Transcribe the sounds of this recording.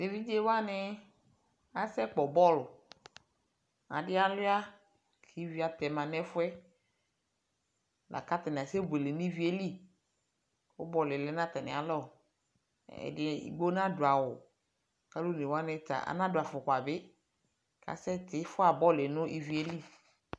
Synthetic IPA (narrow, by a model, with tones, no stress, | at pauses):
de˨vi˦d͡ʒe˦wa˦nɪ˦ | a˨sɛ˦k͡pɔ˨bɔ˦˨lʊ˨ | a̰˨dɪ˦a˨lʊ˦a˦ | kʰi˦vi˦a˨t̪ɛ˨mã˨nɛ˦fʊ˦ɛ˦ | la̰˨ka˦t̪a˨nɪ˨sɛ˦bʊ˨e˨le˨nʊ̃˦i˦vi˦e˦li˦˨ | ʊ˦bɔ˨lɪ˨lɛ˦nã˦t̪a˨nɪ̰̃˨a˨lɔ˦˨ | ɛ̰˨dɪ˦ḭ˨ɡ͡bo˦nã˦dʊ˨a˨wʊ˨ | ka˦lo˦ne˨wa˦nɪ˦ta̰˨a̰˨nã˦dʊ˨a˨fʊ˨kʷa˨bɪ˦ | ka̰˨sɛ˦tɪ˦fʊ˦a˨bɔ˦lɪ˨nʊ̃˦ʔi˦vi˨˦e˦li˦˨